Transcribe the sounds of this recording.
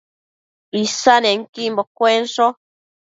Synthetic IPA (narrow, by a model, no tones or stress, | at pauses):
isanɛŋ̩kimbɔkwɛnsɔ